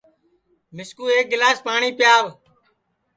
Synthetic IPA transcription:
mɪskuːeːk̚ɡɪlaːspaːɳiːpɪjaːʋ

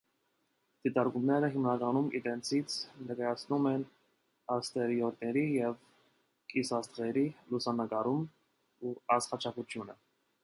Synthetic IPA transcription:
d̪̥it̪ɑɾkumnɛɾəɦimnɑkɑnumḭɾɛnt͡sʰit͡sʰnɛkɑjɑt͡sʰnumɛn | ɑst̪ɛɾiɔɾnɛɾijɛv | kʼisɑst̪ʁɛɾilusɑnəkɑɾum | uɑsχɑt͡ʃʰɑput̪ʰjunə̰

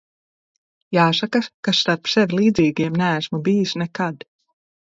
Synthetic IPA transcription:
jaːsakakasst̪aɾpsɛvʲlˠiːd̪ziːɡiɛmnæːsmubijisnɛkad̪

